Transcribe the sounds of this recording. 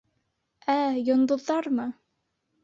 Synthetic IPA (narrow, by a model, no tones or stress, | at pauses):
æjŏnd̪ŏðːɑɾmɤ